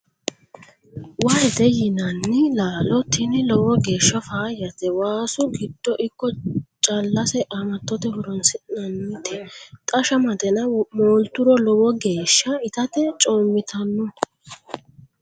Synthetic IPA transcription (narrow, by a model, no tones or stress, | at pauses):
waɛt̪ɛjɪnɐnːɪlaːlɔt̪ɪnɪlɔwɔɡe̞ːʃːɐfaːjɐt̪ɛwaːsʊɡɪd̪̥ːɔʔɪkːɔt͡ʃʼɐlːɐsɛʔɐmɐt̪ːɔt̪ɛhɔɾɔnsɪnɐnːɪt̪ɪt̪ʼɐʃɐmɐt̪ɛnɐmoːlt̪ʊɾɔlɔwɔɡe̞ːʃːɐɪt̪ɐt̪ɛt͡ʃʼoːmːɪt̪ʰɐnːɔ